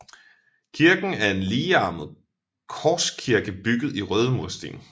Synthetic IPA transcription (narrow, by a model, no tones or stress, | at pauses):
kʰiɐɡ̥n̩æɐe̝nliːɑ̈ːmð̩ˠ | kʰɒːskʰiɐɡ̥əb̥yɡ̥ð̩ˠiʁœːð̞ˠəmusd̥ḭːn